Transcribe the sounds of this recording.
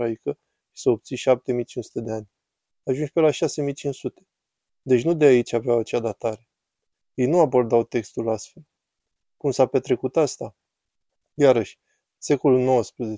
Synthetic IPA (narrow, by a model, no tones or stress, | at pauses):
aikə | ʃi̥seo̞p̚t̪siʃap̚t̪e̞mijt͡ʃinsu̥t̪ed̪e̞anʲ | aʒund͡ʒʲpe̞laʃase̞mijt͡ʃinsut̪e̞̥ | d̪e̞t͡ʃʲnud̪e̞ait͡ʃʲaveawat͡ʃad̪at̪aɾe̞ | je̞jnuabo̞rd̪awt̪e̞kst̪ulast̪fe̞l | kumsape̞t̪ɾe̞kut̪ast̪a | jaɾəʃʲ | se̞ko̞lulno̞wəspɾeze